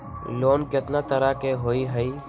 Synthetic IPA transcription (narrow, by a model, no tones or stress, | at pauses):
loːnkɪt̪naːt̪əɾaːkeːɦoːiːɦəiː